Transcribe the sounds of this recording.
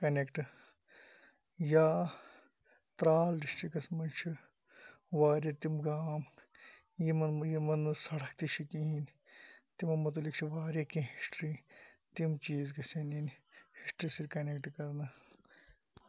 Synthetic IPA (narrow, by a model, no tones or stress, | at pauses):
kɐnekʈɨ | jaː | t̪ɾaːlɖisʈɾikɐsmɐnt͡ʃʰi | ʋaːɾjet̪imɡaːm | jimɐnjimɐnsɐɽɐkt̪iʃʰikĩin | t̪imɐnmɐt̪̬ɐlikt͡ʃʰiʋaːɾʲjekĩɦisʈɾiːt̪imt͡ʃiːzɡɐseninhisʈɾisiɾʲkɐnekʈkɐɾnɐ